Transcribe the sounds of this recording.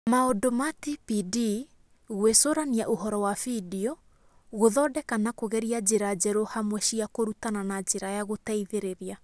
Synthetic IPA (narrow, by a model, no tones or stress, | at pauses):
maodomatipidi | ɣwesoɾaniaʔoɦɔɾɔwafidiɔ | ɣoðɔdɛkanakoɣɛɾiad͡ʑeɾad͡ʒɛɾohamwɛɕiakoɾutananad͡ʒeɾajaɣotaiðeɾeɾea